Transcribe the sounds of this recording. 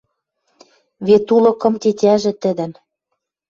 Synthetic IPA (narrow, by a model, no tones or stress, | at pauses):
βet̪ulɤ̆kɤ̆mt̪ʲetʲæʒɘ̆t̪ɘ̆d̪ɘ̆n